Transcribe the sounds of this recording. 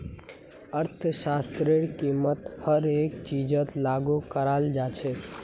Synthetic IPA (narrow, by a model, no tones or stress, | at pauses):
əɾt̪ʰsast̪ɾeɽkimət̪həɾekt͡ʃid͡ʒət̪laɡukəɾald͡ʒat͡ʃʰɛ